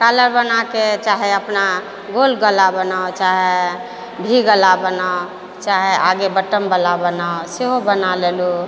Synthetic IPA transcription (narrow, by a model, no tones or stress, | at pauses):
kaləɾbənaket͡ʃaɦeəpna | ɡolɡəlabənaot͡ʃaɦe | bʱiɡəlabənao | t͡ʃaɦeʔaɡebəʈəmbəlabənaoseɦobənalelu